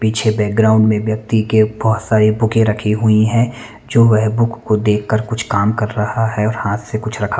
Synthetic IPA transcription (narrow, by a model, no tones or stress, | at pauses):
piːt͡ʃʰebɛːk̚ɡɾaːʊ̃ɳɖmẽʋjɐk̚t̪ikebɔːt̪saːɾibʊkẽɾɐkʰiɦʊiɦɛ̃ | d͡ʒoːʋɛɦbʊkːod̪eːkʰːəɾkʊt͡ʃʰkaːmkɐɾːɐhaɦɛɔːɾhaːt̪sekʊt͡ʃʰɾɐkʰa